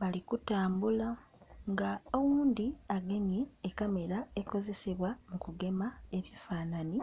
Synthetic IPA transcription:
βalikutaːmbula | ŋɡaowuːnd̪iaɡe̞ɲeːkame̞ɾae̞ko̞ze̞se̞βwamukuɡe̞mae̞βjifaːnani

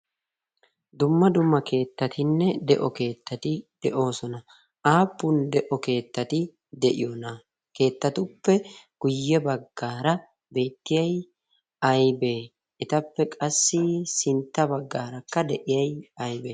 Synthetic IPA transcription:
d̪ʊmːɐd̪ʊmːɐke̞ːt̪ːɐt̪ʰɪnːɛd̪ɛʔɔke̞ːt̪ːɐt̪ɪd̪̥ɛʔo̞ːsɔnɐ | aːpːʊnd̪ɛʔɔke̞ːt̪ːɐt̪ɪ | d̪ɛʔɪjonɐ | ke̞ːt̪ːɐt̪ʊpːɛɡ̥ʊjːɛbɐɡːaːɾɐ | be̞ːt̪ːɪjɐj | ɐjbe̞ː | ʔɛt̪ɐpːɛkʼɐsːɪsɪnt̪ːɐbɐɡːaːɾɐkːɐd̪ɛʔɪjɐjɐjbeː

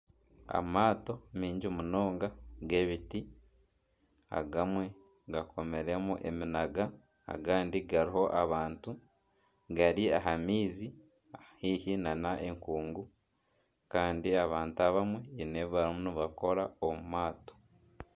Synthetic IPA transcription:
a̰maːto̞miːɲɟimuno̞ːŋɡaɡe̞βiti | a̰ɡamwe̞ | ɡakʰo̞me̞ɾe̞muʔe̞̰minaɡa̰ː | ɡaːndiɡaɾiɦo̞ʔaβaːntu | ɡaɾiaɦamiːzi | ahiːhinanaʔe̞ŋkuːŋɡu | kaːndiaβaːntuaβamwe̞ineββaɾimuniβako̞ɾaomumaːto̥

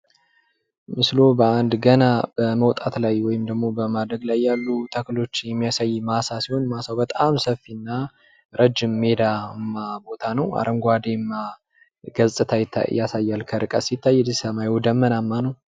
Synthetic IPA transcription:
mɨslo̞bəand̪ɡənabəməwt̪ʼat̪lajwɔjɪmd̪əɡmo̞bəmad̪ɾəɡlajːalːut̪ʰəklo̞t͡ʃːjɛmːijasajːmasasiho̞nmasawbət̪ʼamsəfinːa | ɾəd͡ʒːɪmːe̞d̪amːabo̞t̪ʰanəwa̰ɾʔəŋɡʷad̪emːa | ɡəzsʼɨt̪ʰajɪt̪ʰːa̰jasajːalkʰəɾɨkʼəsɪt̪ʰːajːɛd̪ɨzsəmajɔd̪əmːənamːanəw

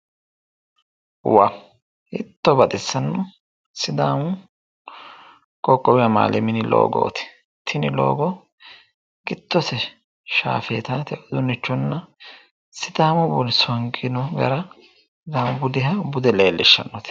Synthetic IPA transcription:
wa | ɪt̪ːɔbɐt̪ʼɛsːɐnːɔ | sɪd̪aːmʊ | kʼɔkʼːɔwɪɐma̰ːlʔɛmɪnɪlo̰ːɡo̰ːt̪ɪ̥ | t̪ʰɪnɪlo̰ːɡɔ | kɪt̪ːɔsɛ | ʃa̰ːfeːt̪aːt̪ɛʔɔd̪ʊnːɪt͡ʃːɔnːɐ | sɪd̪aːmʊbɔlsɔɐŋkʼɪnɔɡɐ̰ɾɐ | d̪aːmbʊd̪ɪɦɐbʊd̪ɛleːlːʔɛʃːɐ̰nːɔt̪

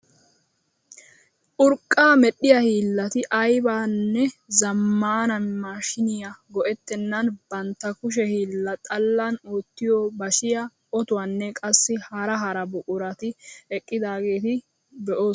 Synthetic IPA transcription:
ʔʊɾkʼːaːmɛɗːɪjɐhiːlːɐt̪ɪʔɐjbaːnːɛzɐmːaːnɐnmaːʃɪnɪjɐɡɔʔɛt̪ːɛnːɐnbɐnt̪ːɐkʊʃ̬ɛhiːlːɐt̪ʼɐlːanoːt̪ːɪjɔːbɐʃɪjɐ | ʔɔt̪ʊwaːnːɛkʼɐsːɪhɐɾɐɦɐɾɐbʊkʼʊɾɐt̪ɪɛkʼːɪd̪aːɡe̞ːt̪ɪ | bɛʔo̞ː

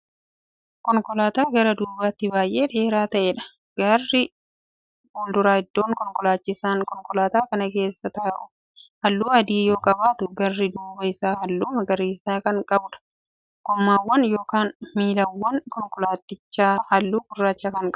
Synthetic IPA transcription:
kɔŋkʼɔlaːt̪aːɡɐɾɐd̪uːbaːt̪ːɪbaːjʔe̞ːᶑe̞ːɾaːt̪ɐʔeːᶑɐ̥ | ɡ̥ɐrːɪ | hoːld̪ʊɾaːhɪd̪ːoːŋkɔŋkʼɔlaːt͡ʃːɪsaːŋkɔŋkʼɔlaːt̪aːkɐnɐke̞ːsːɐt̪ɐʔʊ | hɐlːuːɐd̪iːjo̞ːkʼɐbaːt̪ʊɡɐrːɪd̪uːbɐɪsaːhɐlːuːmɐɡɐɾiːsaːkɐŋkʼɐbʊᶑɐ̥ | kʊmːaːwːɐnjo̞ːkaːnmiːlɐwːɐŋkɔŋkʼɔlaːt̪ːɪt͡ʃːaːhɐlːuːkʊrːaːt͡ʃːaːkɐŋkʼɐ

